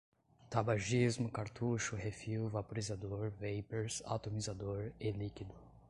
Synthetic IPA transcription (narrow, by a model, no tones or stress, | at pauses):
t̪abaʒizmʊkaɾt̪uʃʊhefiwvapoɾizad̪oɾvejpeɾsa̰t̪omizad̪oɾelikid̪ʊ